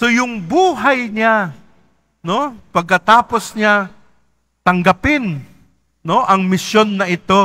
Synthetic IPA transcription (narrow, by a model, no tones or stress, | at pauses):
so̞jʊŋbuːɦɐjɲa | no̞pɐɡ̚kːɐt̪aːposɲa | t̪ɐŋɡɐpɪn | no̞ʔɐŋmɪsjo̞nːɐʔɪt̪o̞